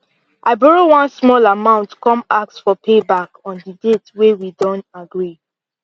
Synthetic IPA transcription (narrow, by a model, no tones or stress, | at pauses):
ʔaɪbɔɹowãnsmɔlamãʊ̃ntkɔ̃mak̚sfɔpʰebakɔ̃ndidetwewidɔ̃ntaɡɹi